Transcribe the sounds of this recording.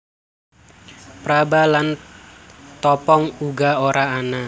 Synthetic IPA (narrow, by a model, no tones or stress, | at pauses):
pɾabalan | t̪ɔpɔŋuɡaoɾaːna